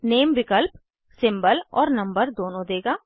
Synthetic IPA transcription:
neːmʋɪkəlp | sɪ̃mbəlɔːɾnɐ̃mbəɾd̪oːnõd̪eːɡaː

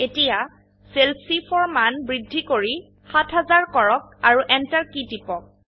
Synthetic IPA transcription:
etija | selpsipʰɔɹmanbɹidʱːikoɹi | xatʰɦazaɹkɔɹɔk̚aɹuʔɛntaɹkitipɔ

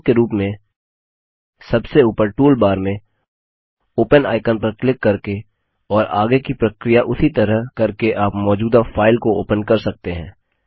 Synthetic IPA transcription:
keɾuːpmẽ | sɐbseuːpəɾʈuːlbaːɾmẽ | oːpəna̰ːɪkənpɐɾklɪkːɐɾke | ɔːɾa̰ːɡekipɾɐkɾijaʔʊsit̪ɐɾəɦkɐɾkeʔaːpmɔːd͡ʒuːd̪afʰaːɪlkoo̰ːpənkɐɾsɐk̚t̪eɦɛ̰̃ː

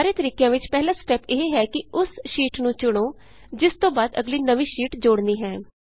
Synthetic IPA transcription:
aːɾeːt̪əɾiːkjãːʋɪt͡ʃpɛːɦlãːsʈɛːpeɦeɦɛːkɪʊsʃiːʈnũːt͡ʃʊɽ̃õː | d͡ʒɪst̪õːbaːd̪ə̰ɡliːnəʋĩːʃiːʈd͡ʒoːɽniːɦɛ̃ː

